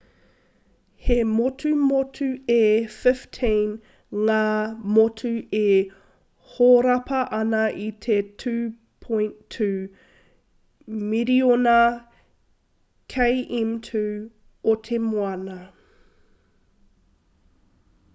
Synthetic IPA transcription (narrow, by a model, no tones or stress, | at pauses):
hemotʰʉmotʰʉefɪftʰĩn | ŋaːmotʰʉe | hoɾɐpʰɐʔɐnɐʔit̪ʰetʰʉ | pʰoj̃ntʰʉ | miɾionɐ | kʰejʔimtʰʉ | otʰemoɐnɐ